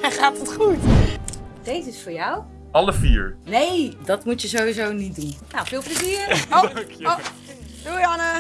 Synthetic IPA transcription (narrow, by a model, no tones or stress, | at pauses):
ɛχaːtətχut | dejzɪsfʊːɹjaw | ʔɑləfḭːɹnejdɑtmutjəzoizownit̚dunnawfɪːlˠpləziːɹko | duɑnə